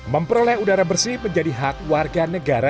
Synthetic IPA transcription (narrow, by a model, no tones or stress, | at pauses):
məmpəɾolɛudaɾabərsɪhməɲd͡ʒadiɦak̚warɡanəɡaɾa